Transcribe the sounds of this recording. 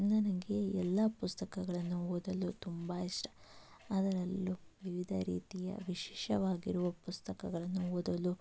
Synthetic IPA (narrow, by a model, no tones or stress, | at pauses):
nd̪ɐnɐɡe̞ɛlːɐpust̪ɐkɐɡɐɭɐnːuoːd̪ɐlut̪umbaiʂʈɐ̥ | ɐd̪ɐɾɐlːuʋiʋid̪ʱɐɾḭːt̪ijɐ̰ʋiʃɛ̥ːʃɐʋaːɡiɾuʋɐpust̪ɐkɐɡɐɭɐnːuoːd̪ɐlu